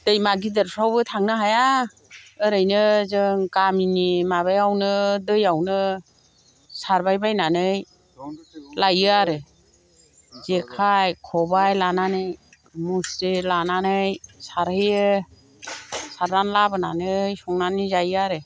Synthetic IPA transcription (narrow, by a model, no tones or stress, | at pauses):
d̥ɯjmaɡidɯɾsʰawbɯtʰaŋnɯɦaja | ɯɾɯjnɯzɯŋkaminimaβajawnɯdɯjawnɯ | saɾbajbajnanɯj | lajɯaɾɯ | zekʰajkʰɔbajlananɯj | musɾilananɯjsaɾhɯjɯ | saɾdanlabɯnanɯjsɔŋnanizajaɾɯ